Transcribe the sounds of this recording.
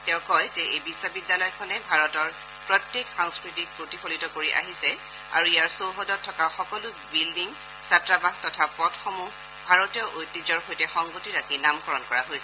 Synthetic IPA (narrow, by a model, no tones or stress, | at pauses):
tɛʊkɔjzɛʔejbisɔbidːalɔjkʰɔnɛbʱaɹɔtɔɹ | pɹɔtjekxaŋskɹitik̚pɹotikʰolitɔkoɹiʔa̰ɦisɛ | a̰ɹuijaɹsowɦɔdɔtʰːɔkaxɔkɔlʊbildiŋ | satɹabaɡtɔtʰapɔdxɔmu | bʱaɹɔtjɔʔojtizɔɹxojtɛxɔŋɡotiɹakinamkɔɹɔnkɔɹaɦojsɛ